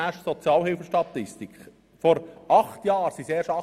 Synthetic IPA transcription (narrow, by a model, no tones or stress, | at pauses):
æːʃsɔt͡sjɑːlhɪlfəʃtɑt̪ːɪstikχ | fɔɾʔɑχt̪jɑːɾsiseːɾʃɑ